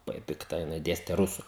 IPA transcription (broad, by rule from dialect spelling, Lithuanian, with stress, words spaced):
lˠɐˈbɐɪ pʲɪkˈtɐ jɪˈnɐɪ ˈdʲeːsʲtʲɛ ˈrʊsʊ